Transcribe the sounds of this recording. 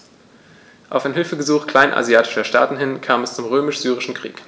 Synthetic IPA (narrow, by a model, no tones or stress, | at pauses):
ʔaʊfaɪnɦɪlfəɡəzuːχkl̥aɪnʔa̰ziaːtɪ̥ʃɐʃta̰ːtn̩ɦɪnkʰaːmɛst͡sʊmʁøːmɪʃz̥yːʁ̞ɪʃn̩kʁ̥ḭːk